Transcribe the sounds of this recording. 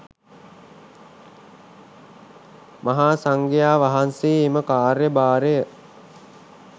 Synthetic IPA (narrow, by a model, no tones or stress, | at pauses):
maɦaːsaŋɡejaːʋaɦanseːməkaːɾjəbaːɾejə